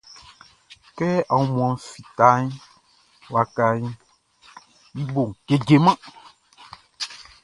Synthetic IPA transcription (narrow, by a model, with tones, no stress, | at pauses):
kɛ˦a˨wu˦mũ˨ã˨˦fi˨t̪a˦ɲi˦ | wa˨ka˦ji˦ | ji˦bo˨ŋ˨ɡ̥e˨d͡ʒe˨mã˦